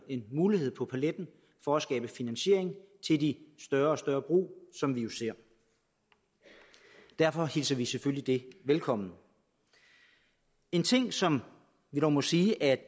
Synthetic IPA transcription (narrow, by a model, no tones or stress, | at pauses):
e̝nmuːlihe̝ð̞̰ˠpʰɒ̽pʰæled̥n̩ | fɒ̽æsɡ̥ɛːb̥əfinænɕe̝ɐ̰eŋt͡sʰe̝ld̥isd̥ɶɐɒ̽sd̥ɶɐb̥ʁṵːsɒ̽mʋijo̝se̝ɐ̰ | d̥æɐ̰fɒ̽helsɐʋiseføllid̥e̝ʋelkʰɒ̽mn̩ | e̝nt͡sʰe̝ŋ̰sɒ̽m | ʋiɾɒʊmɒ̽siːʔæɐ̥